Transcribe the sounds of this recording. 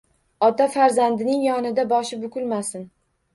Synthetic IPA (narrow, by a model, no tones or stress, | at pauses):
ɒt̪afaɾzand̪ɪnɪŋjɒnɪd̪abɒʃɪbʊkʲʊlmasɪn